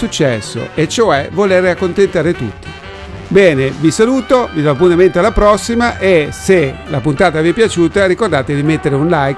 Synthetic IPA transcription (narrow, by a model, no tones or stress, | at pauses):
ut͡ʃːɛsːo̰et͡ʃːoɛvoleːɾeakːont̪ent̪aːɾet̪ṵt̪ːi̥ | bɛːnevisaluːt̪ovid̪ɔp̬unt̪ament̪oalːapɾɔsːimaʔeselapunt̪aːt̪aviɛpjat͡ʃuːt̪aɾikord̪aːt̪ed̪imet̪ːeɾeunlajk